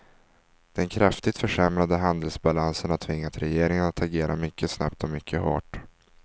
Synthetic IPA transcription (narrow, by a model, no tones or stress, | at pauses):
d̪̥ɛnkʰɾaft̪ɪt̪fœʂɛmɾad̪əɦand̪əlsbalansənat̪ʰːvɪŋːat̪ɾɛjeːɾɪŋanat̪ʰaɡeːɾʔa̰mʏkːəsna̰p̚t̪ɔmʏkʰːəɦo̰ːʈ